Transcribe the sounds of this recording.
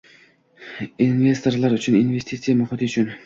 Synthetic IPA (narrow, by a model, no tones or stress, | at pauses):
inve̞st̪o̞ɾlˠaɾʊt͡ʃʰɪninvest̪it̪sijamʊχɪt̪ʰɪʊt͡ʃʰʊn